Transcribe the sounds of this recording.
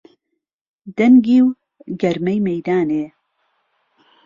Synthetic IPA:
d̪ɐŋɡiːw | ɡɐɾmɛjmejd̪aːneː

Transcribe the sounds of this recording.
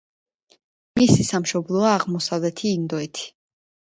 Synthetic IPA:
misisamʃɔblˠɔaːʁmɔsavlɛt̪ʰiːnd̪ɔɛt̪ʰi̥

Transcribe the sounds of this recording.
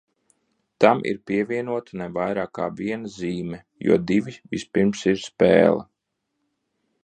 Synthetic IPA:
t̪amʔḭɾpʲiɛvʲiɛnuɔt̪anɛvajɾaːkːa̰ːvʲiɛnɐziːmɛ | jṵɔd̪iʋivispiɾmsiɾspɛ̰ːlˠɐ̰

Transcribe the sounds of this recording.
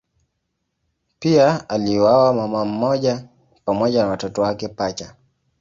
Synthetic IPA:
piaaliwawamamam̩mɔʄa | pamɔʄanawatɔtɔwakɛpat͡ʃa

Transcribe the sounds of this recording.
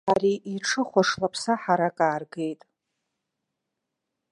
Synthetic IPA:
ariʔiʈ͡ʂʰɨχʷaʂlapʰsaħaɾakʼaːrɡe̞jtʼ

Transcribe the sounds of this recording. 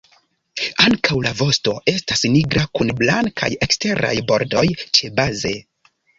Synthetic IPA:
aŋkawlavo̞sto̞e̞stasniɡɾʔakunblaŋkʰa̰je̞kste̞ɾa̰jbo̞ɾdo̞jt͡ʃe̞baze̞

